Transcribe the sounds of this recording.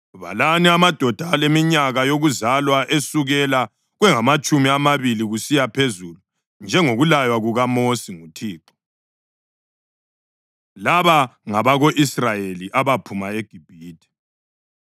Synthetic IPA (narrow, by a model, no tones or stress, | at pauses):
βa̰laniamad̥ʱɔd̥ʱalemiɲaɣajoɣuzalwaʔesuɣɛla | ɣwɛŋamat͡ʃʼumiamaβiliɣusijapʰezulu | nd͡ʒʱɛŋoɣulajwaɣuɣamosiŋutʰiːǃɔ̥ | laβaŋaβaɣoʔisrajeliʔaβapʰumaeɡ̥ʱib̥ʱiːd̥ʱɛ̥